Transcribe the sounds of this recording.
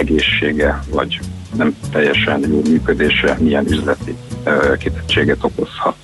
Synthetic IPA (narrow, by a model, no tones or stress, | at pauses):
ɛɡeːʃːeːɡɛvɒ̰ɟnɛmt̪ɛjːɛʃɛnjoːmyːkød̪eːʃɛmiɛnyzlɛt̪ikit̪ɛ̥tːeːɡɛt̪o̞ko̞shɒt̪